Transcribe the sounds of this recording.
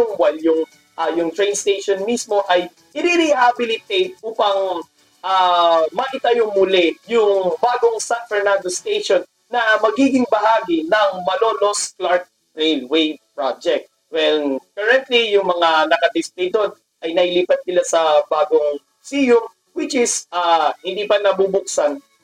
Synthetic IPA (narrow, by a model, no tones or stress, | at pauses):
ʊŋwɐjljʊŋ | ʔɐjʊŋt̪ɹejnst̪ejʃonmismo̞ʔɐj | ʔɪɾiɾɪhabɪlɪt̪ejt̪̚ʔuːpɐŋ | ʔamɐʔɪt̪ɐjoŋmʊlɛjʊŋbaːɡo̞ŋsanfɛɹnãnd̪ost̪ejʃonːɐmɐɡiːɡɪŋbɐɦaːɡɪnɐŋmɐloːlo̞sklaɹt̪̚ | ɹejlwejpɹad͡ʒɛk̚t̪̚ | wɛnkɐɹɛnt̪lijʊŋmɐŋanɐkɐd̪ɪspejt̪od̪̚ | ʔɐjnɐhɪliːpɐt̪̚kɪlasɐbaːɡoŋ | siːjom | wɪt͡ʃɪsahɪnd̪iːpɐnɐbubʊk̚sɐn